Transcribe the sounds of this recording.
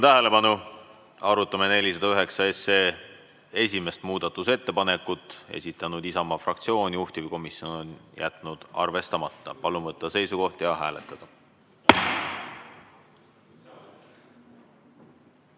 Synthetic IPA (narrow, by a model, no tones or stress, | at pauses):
t̪æɦele̞pɑnu | ɑɾut̪ˑːɑmene̞lʲisɑd̪̥ɑyɦe̞ksɑe̞se̞ | e̞sʲime̞st̪muːd̪̥ɑt̪ːˑuse̞t̪ːe̞pɑne̞kːˑut̪ˑːe̞̰sit̪ːˑɑnud̪̥isɑmɑfrɑk̚t̪sio̞ːniuht̪ʲivijko̞misio̞no̞njæ̰t̪ˑnud̪̥ɑ̰rve̞st̪ɑmɑt̪ːɑ̰pɑlumvɤt̪ˑːɑse̞jsuko̞ht̪jɑɦæ̰ːle̞t̪ːˑɑd̪̥ɑ